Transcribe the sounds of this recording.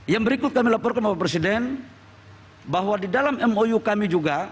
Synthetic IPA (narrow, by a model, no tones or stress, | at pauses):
jaŋbəɾikʊt̪̚kamilapɔrkanbawapɾesidɛn | baɦwadidalamɛmojukamid͡ʒuɡa